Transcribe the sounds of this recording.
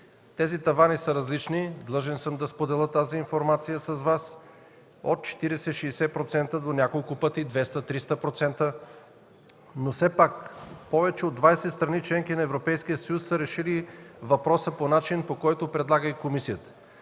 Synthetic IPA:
t̪ɛzit̪ɐvanisəɾɐzlit͡ʃnid̪lˠɤʒɛnsəmd̪ɐspod̪ɛlˠət̪aziːnfoɾmat̪sijəsəzvas | o̰t̪̚t͡ʃɛ̥t̪iɾɛsɛʃɛːsɛpɾot̪sɛnt̪əd̪onʲakolˠkʊpɤt̪id̪vɛst̪ət̪ɾist̪əpɾot̪sɛnt̪ə | nosɛpakpɔvɛt͡ʃɛod̪ːvajsɛt̪st̪ɾɐnit͡ʃlɛŋkinɐɛvɾopɛjskijət̪səjusːəɾɛʃilivɐpɾɔsəponat͡ʃinpokɔjt̪ʊpɾɛd̪lˠaɡəikomisijət̪ə̥

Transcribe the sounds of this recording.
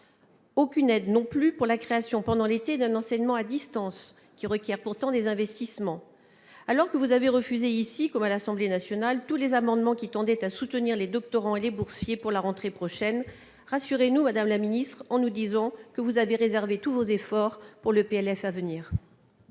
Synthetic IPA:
okʲynɛd̪nɔ̃plypuʁlakχeasjɔ̃pɑ̃d̪ɑ̃let̪ed̪ɛ̃nɑ̃sɛɲmɑ̃ad̪ist̪ɑ̃s | kʲiʁəkʲjɛʁpuʁt̪ɑ̃d̪ezɛ̃vɛst̪ismɑ̃ | alɔʁkəvuzaveʁəfyzeisikɔmalasɑ̃blenasjɔnalt̪ulezamɑ̃d̪mɑ̃kʲit̪ɑ̃d̪ɛt̪asut̪əniʁled̪ɔk̚t̪ɔʁɑ̃elebuʁsjepuʁlaʁɑ̃t̪χepχɔʃɛn | ʁasyʁenumad̪amlaminist̪χɑ̃nud̪izɑ̃kəvuzaveʁezɛʁvet̪uvozefɔʁpuʁləpeɛlɛfavəniːʁ

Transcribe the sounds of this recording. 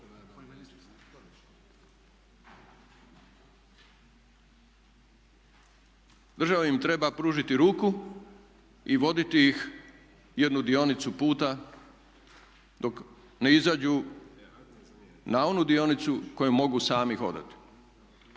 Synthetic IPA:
d̪rʒaʋeimt̪ɾe̞bapɾuːʒit̪iɾuːku | iʋo̞d̪it̪iix | je̞d̪nud̪io̞nit̪supuːt̪a | d̪o̞k | neizaːd͡ʑu | nao̞nud̪io̞nit̪suko̞jumo̞ɡusaːmixo̞̰d̪a̰t̪i̥

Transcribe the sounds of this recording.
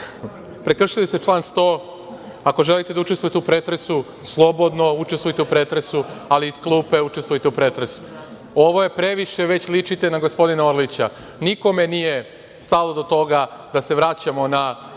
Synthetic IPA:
pɾekr̩ʂʃilist̪et͡ʂlˠaːnst̪oː | ako̞ʒelit̪ed̪aut͡ʃest̪ʋojit̪eupɾet̪ɾesu | slˠo̞bo̞d̪no̞ut͡ʃest̪ʋojit̪eupɾet̪ɾesualiːsklˠuːpe̞ut͡ʃe̞st̪ʋojt̪eupɾet̪ɾesu̥ | oʋo̞je̞pɾe̞ʋiʃeʋet͡ɕlit͡ʃit̪e̞naɡospo̞d̪inaoɾlit͡ɕa | niko̞me̞nije̞ | st̪alo̞d̪o̞t̪o̞ɡad̪ase̞ʋɾaːt͡ɕamo̞na

